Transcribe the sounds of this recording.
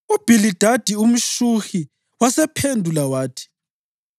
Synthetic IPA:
ub̥ʱilid̥ʱad̥ʱium̩ʃuxi | wasɛpʰendʱulawaːtʰi̥

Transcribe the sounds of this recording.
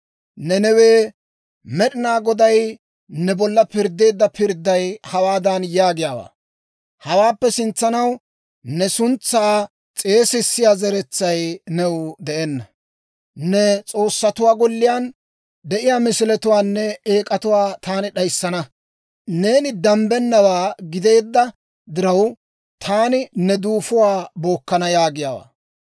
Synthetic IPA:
nɛnɛweː | mɛɗɪnaːɡɔd̪ɐj | nɛbɔlːɐpɪɾd̪ːe̞ːd̪ːɐpɪɾd̪ːɐjhɐwaːd̪ɐnjaːɡɪjaːwa̰ː | hɐwaːpːɛsɪnt͡sːɐnɐw | nɛsʊnt͡sːaː | t͡sʼe̞ːsɪsːɪjaːzɛɾɛt͡sːɐjnɛwd̪ɛʔɛnːɐ | nɛt͡sʼo̞ːsːɐt̪ʊwaːɡɔlːɪjaːn | d̪ɛʔɪjaːmɪsɪlɛt̪ʊwaːnːɛeːkʼɐt̪ʊwaːt̪aːnɪɗɐjsːɐnɐ | ne̞ːnɪd̪ɐmbɛnːɐwaːɡɪd̪e̞ːd̪ːɐ | d̪ɪɾɐw | t̪ʰaːnɪnɛd̪uːfʊwaːbo̞ːkːɐnɐjaːɡɪjaːwa̰ː

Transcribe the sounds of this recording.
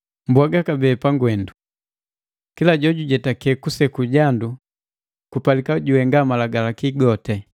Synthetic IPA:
mbwaɡakabɛːpaŋɡwɛndu | kilaɟɔɟuɟɛtakɛkusɛkuɟandu | kupalikaɟuwɛŋɡamalaɡalakiɡɔtɛ

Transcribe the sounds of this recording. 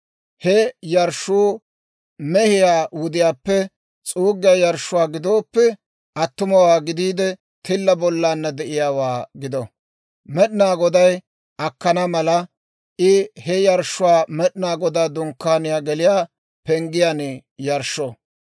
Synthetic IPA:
hɛjɐɾʃuː | mɛhɪjaːwʊd̪ɪjaːpːɛ | t͡sʼuːɡɪjaːjɐɾʃʊwaːɡɪd̪o̞ːpːɛ | ʔɐt̪ːʊmɐwaːɡɪd̪iːd̪ɛ | t̪ɪlːɐbɔlːaːnːɐd̪ɛʔɪjaːwaːɡɪd̪ɔ | mɛɗnaːɡɔd̪ɐj | ʔɐkːɐnɐmɐlɐ | ʔɪhɛjɐɾʃʊwaːmɛɗnaːɡɔd̪aːd̪ʊŋkːaːnɪjaːɡɛlɪjaː | pɛŋɡɪjaːnɛ | jɐɾʃo

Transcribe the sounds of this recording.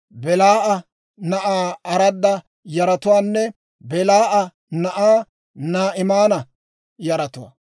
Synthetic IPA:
bɛlaːʔɐ | nɐʔaːɐɾɐd̪ːɐ | jɐɾɐt̪ʊwaːnːɛ | bɛlaːʔɐ | nɐʔaː | naːʔɪmaːnɐ | jɐɾɐt̪ʊwa̰

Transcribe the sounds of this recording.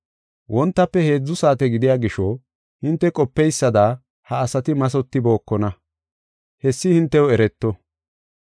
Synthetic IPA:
wʔɔnt̪ːɐpːɛhe̞ːd͡zːʊsaːt̪ɛɡɪd̪ɪjaːɡɪʃɔ | hɪnt̪ːɛkʼɔpːɛjsːɐd̪a | hɐːsɐt̪ɪmɐs̬ɔt̪ːɪbo̞ːkːɔnɐ | hɛsːɪhɪnt̪ːɛwɔɛɾɛt̪ːɔ

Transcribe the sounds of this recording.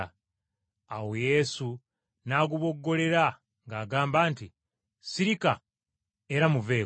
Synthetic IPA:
awojesu | naːɡuβo̞ɡːo̞le̞ɾa | ŋɡaːɡaːmbaːnti | siɾika | eɾamuve̞ː

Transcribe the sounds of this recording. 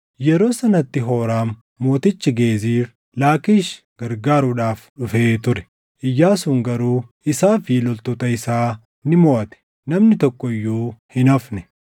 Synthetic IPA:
jɛɾo̞ːsɐnɐt̪ːɪɦo̞ːɾaːmː | o̞ːt̪ɪt͡ʃːɪɡe̞ːziːɾ | laːkiːʃ | ɡ̥ɐɾɡaːɾʊᶑaːfᶑʊfeːt̪ʊɾɛ̥ | ʔɪjːaːsuːŋɡɐɾuː | ɪsaːfɪlɔlt̪oːt̪ɐɪsaː | nɪmoːʔɐt̪ɛ̥ | nɐmnɪt̪ɔkːɔɪjːuːhɪnɐfnɛ̥

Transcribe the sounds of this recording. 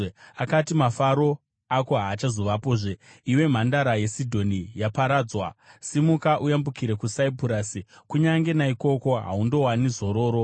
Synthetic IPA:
akatimafaɾo̞ | ako̞ɦaːt͡ʃazo̞ʋapoːʐeiwe̞m̤andaɾaje̞sidʱo̞nijapaɾaːd͡zwasimukaʔujambukiɾe̞kusaipuɾaːsikuɲaŋɡe̞naiko̞ko̞ɦa̰undo̞wanizo̞ɾo̞ːɾo̞

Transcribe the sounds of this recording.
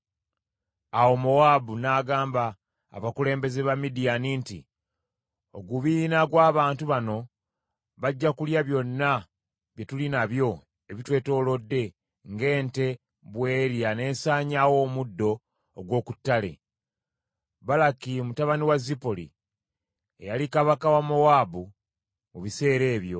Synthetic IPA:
awo̞mowabunaːɡaːmba̰ː | βakule̞ːmbe̞ze̞βamidijanintḭ | o̞ɡuβiːnaɡwaːβaːntuβano̞ | βaɟːakuljaβjo̞nːa | βje̞tulinaβjo̞ | e̞βitwe̞ːto̞ːlo̞dːe̞ | ŋɡe̞ːnte̞ | βwe̞ːɾjane̞ːnsaːɲawo̞ːmudːo̞ː | ɡwo̞ːku̥tːale̞̰ | balakimutaβaniwazipolḭ | e̞̰jalikaβakawamo̞waːbu | muβise̞ːɾe̞ːβjo̞̰

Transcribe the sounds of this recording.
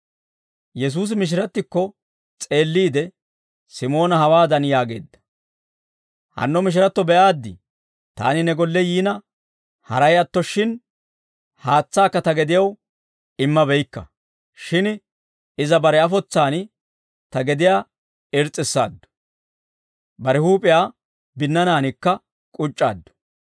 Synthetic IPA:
jɛs̬uːs̬ɪmɪʃ̬ɪɾɐt̪ːɪkːɔ | t͡sʼe̞ːlːiːd̪ɛ | sɪmo̞ːnɐhɐwaːd̪ɐnjaːɡe̞̰ːd̪ːɐ̥ | hɐ̰nːɔmɪʃ̬ɪɾɐt̪ːɔbɛʔaːd̪ːɪ̰ | t̪a̰ːnɪnɛɡɔlːɛjiːnɐ | hɐ̰ɾɐjɐt̪ːɔʃɪn | haːt͡sːaːkːɐt̪ɐɡɛd̪ɪjɐw | ɪmːɐbɛjkːɐ̰ | ʃɪn | ɪzɐbɐɾɛɐfɔt͡sːaːn | t̪ɐɡɛd̪ɪjaː | ɪɾt͡sʼːɪsːa̰ːd̪ːʊ̥ | bɐɾɛhuːpʼɪjaː | bɪnːɐnaːnɪkːɐ | kʼʊt͡ʃʼːa̰ːd̪ːʊ̥

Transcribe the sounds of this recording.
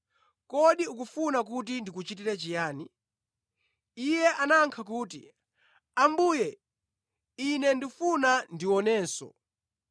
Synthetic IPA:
kɔɗiukufunak̬ut̬indikut͡ʃit̬iɾɛt͡ʃijaːni | ijɛʔanaŋkʰakuːt̬ḭ | ambuːjɛ | inɛndifunandiwɔnɛːsɔ̰

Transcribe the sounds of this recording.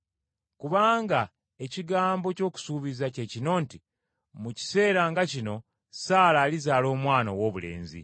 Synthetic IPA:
kuβaːŋɡa | e̞ciɡaːmbo̞co̞ːku̥suːβizace̞cino̞nti | muci̥se̞ːɾaŋɡacino̞ | saːlaːlizaːlo̞ːmwaːnowo̞ːβule̞̰ːnzḭ

